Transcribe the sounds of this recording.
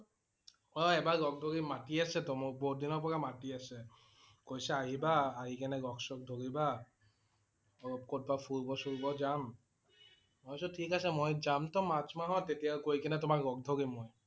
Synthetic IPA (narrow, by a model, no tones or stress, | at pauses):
ɔɛbaɡɔɡ̚dʱoɡimatiasɛtɔmɔbodinɔɹpɔɹamatiasɛ | kojsɛaɦibaːɦikɛnɛɡɔksɔk̚dʱoɡiba | ɔɔp̚kot̚bapʰuɹbɔsuɹbɔd͡ʒam | mɔjsɔtʰikasɛmojd͡ʒamtɔmat͡ʃmaɦɔtetijakojkɛnɛtʊmakɹɔk̚dʱoɡimoj